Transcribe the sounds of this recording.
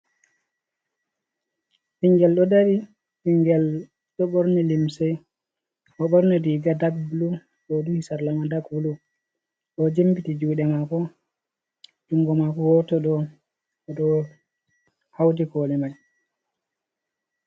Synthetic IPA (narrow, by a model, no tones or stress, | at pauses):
ʔiŋɡɛlɗɔdaɾi | hiŋɡɛl | ɗɔɓɔɾnɛlimsɛj | ʔɔɓɔɾnɛdiɡadaɡbulu | ɗɔduhisaɾlamadaɡbulu | ɗɔd͡ʒembitid͡ʒuːɗɛmakɔ | d͡ʒuŋɡɔmakɔwɔtɔɗɔ | ɛɗɔ | hawdikɔːlɛmaj